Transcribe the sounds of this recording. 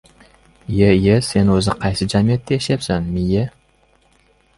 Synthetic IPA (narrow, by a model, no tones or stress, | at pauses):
jejese̞nɵzɪqʰɑjsɪd͡ʒamijet̪ːeeʃepsanmɪje